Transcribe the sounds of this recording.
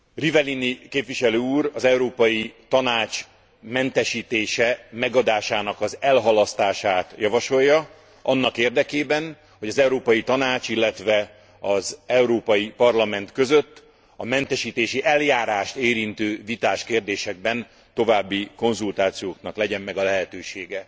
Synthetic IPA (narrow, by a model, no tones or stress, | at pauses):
rivɛlinikeːpʋiʃɛløːuːɾɒzɛuɾoːpɒjit̪ɒnaːt͡ʃ | mɛnt̪ɛʃiːt̪eːʃɛmɛɡɒd̪aːʃaːnɒkɒzɛlɦɒlɒst̪aːʃaːt̪jɒvɒʃo̞jːɒ | ɒnːɒkeːrd̪ɛkeːbɛn | ho̞ɟɒzɛwɾoːpɒjit̪ɒnaːt͡ʃilːɛt̪ʋɛ | ɒzɛwɾoːpɒjipɒrlɒmɛnt̪kø̞zøt̪ː | ɒmɛnt̪ɛʃiːt̪eːʃiʔɛljaːɾaːʃt̪eːɾint̪øːvit̪aːʃkeːrd̪eːʃɛɡ̚bɛn | t̪o̞vaːbːiko̞nzult̪aːt̪sijoːknɒklɛɟɛmːɛɡɒlɛɦɛt̪øːʃeːɡɛ